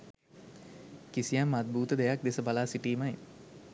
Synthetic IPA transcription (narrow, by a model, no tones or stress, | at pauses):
kisijamːat̪̚buːt̪əd̪ejak̚d̪esəbalaːsiʈiːmaj